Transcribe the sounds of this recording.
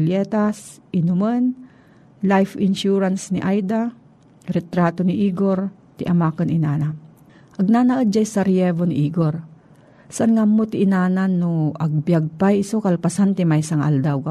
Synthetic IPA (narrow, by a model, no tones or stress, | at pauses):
ljɛːt̪asʔɪnʊmən | lajfɪnʃuɾansnɪʔajd̪a | ɾɛt̪ɾaːt̪onɪʔiːɡoɾ | t̪ɪʔɐmaːkɐnɪnaːna | ʔɐɡ̚naːnɐʔəd̪̚d͡ʒajsɐɾɪjɛvonɪʔiːɡoɾ | saʔɐnŋamːot̪ɪʔɪnaːnanːoʔɐɡ̚bjaɡ̚pajɪsokɐlpasant̪ɪmajsɐŋʔa̰ld̪awka